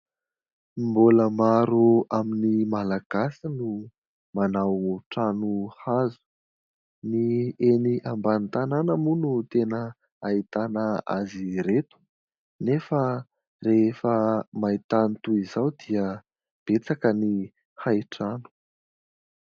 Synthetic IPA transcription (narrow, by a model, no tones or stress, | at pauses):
mboləmaɾuaminimalaɡ̥asinu | manawʈ͡ʂanuhazu̥ | nieniʔambant̪ananəmunut̪enə | ait̪anəa̰ziɾet̪u̥ | nefə | refəmait̪anit̪uizawd̪iə | b̥et͡sakəni | hajʈ͡ʂanu̥